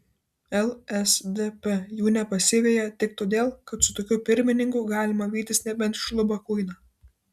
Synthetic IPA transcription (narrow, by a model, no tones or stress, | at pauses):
ɛlˠɛsd̪ʲepʲɛjuːnʲɛpɐsʲɪʋʲeːjɛt̪ʲɪkt̪oːd̪ʲeːlˠkɐt̪sʊt̪oːkʲʊpʲɪɾʲmʲɪnʲɪŋkʊɡɑːlʲɪmɐʋʲiːt̪ʲɪsʲnʲɛbʲɛnt̪ʃlˠʊbɐkʊɪnɑ